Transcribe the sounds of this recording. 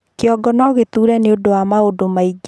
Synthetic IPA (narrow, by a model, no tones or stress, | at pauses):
keɔɡɔnɔɣet̪uɾɛneodowamaodomaiɡ